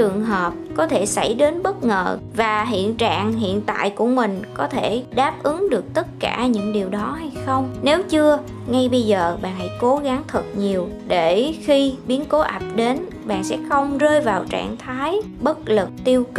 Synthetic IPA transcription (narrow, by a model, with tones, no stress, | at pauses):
ɨ˨˩əŋɦəː˨˩p̚kɔ˨˦t̪ʰe˧˩sa˧˩jɗe˨˦nɓə˦˥t̚ŋə̰ː˨˩vaː˨˩ɦḭ˧˨ənt͡ɕa̰ː˧˨ŋɦḭ˧˨ənt̪a̰ː˧˨jku˧˩əmï˨˩ŋ̟kɔ˨˦t̪ʰe˧˩ɗaː˦˥p̚ʔɨ˨˦ŋɗɨ˨˩ək̚t̪ə˦˥t̚kaː˧˩ɲɨ̰˧˥ŋɗi˨˩əwɗɔ˨˦ha˧jxə˧wŋ͡mne˨˦wt͡ɕɨ˧ə | ŋa˧jɓə˧jzəː˨˩ɓa̰ː˨nha̰˧˥jko˨˦ɣa˨˦ŋt̪ʰɨ˨˩k̚ɲi˨˩əw | ɗe˧˩xi˧ɓi˨˦ənko˨˦ʔa˨˩p̚ɗe˨˦n | ɓa̰ː˧˨nsɛ̰˧˥xə˧wŋ͡mzəː˧jvaː˨˩wt͡ɕa̰ː˧˨ŋt̪ʰaː˨˦j | ɓə˦˥t̚lɨ˨˩k̚t̪i˧əwk